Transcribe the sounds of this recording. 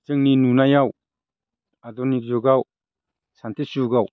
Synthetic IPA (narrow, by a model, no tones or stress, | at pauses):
t͡ʃɯŋninunajaw | adɔnikzuɡaw | santʰisuɡaw